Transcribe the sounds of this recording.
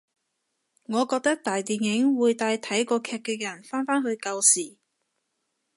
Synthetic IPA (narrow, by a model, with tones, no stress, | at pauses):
ŋɔː˨˧kɔː˧k̚t̪ɐ˥k̚t̪aː˨jt̪iː˨njɪ˨˥ŋwuː˨˧jt̪aː˧jt̪ʰɐ˨˥jkɔː˧kʰɛː˧k̚ɛː˧jɐ˨˩nfaː˥nfaː˥nɦɵ˧ɥkɐ˧wsiː˨˩